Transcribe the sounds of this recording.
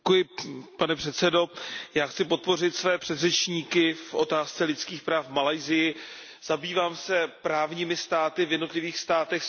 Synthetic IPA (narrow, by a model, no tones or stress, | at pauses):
kujɪpanɛpr̝̥ɛt̪sɛdo̞jaːxt͡sɪpo̞t̪̚po̞r̝ɪt̪svɛːpr̥ɛd̪rɛt͡ʃɲiːkɪfʔo̞t̪aːst͡sɛlɪt̪t͡skiːxpɾaːfmalajzɪjɪ | z̥abiːvaːmsɛpɾaːvɲiːmɪst̪aːt̪ɪvjɛdno̞t̪lɪviːxst̪aːt̪ɛx